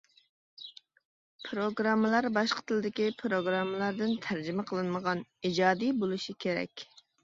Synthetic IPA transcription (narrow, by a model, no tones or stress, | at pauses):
pʰɾoɡɾɑmːəlˠɑɾbɑʃqʰə̥t̪ʰɨlˠɨd̪ɪkʲipʰɾoɡɾɑmːəlˠɑɾd̪ɪnt̪ʰæɾd͡ʒimɛqʰəlˠɨnməʁɑnid͡ʒɑːd̪ijbolˠuʃikʲʰeɾɛ̰kʲ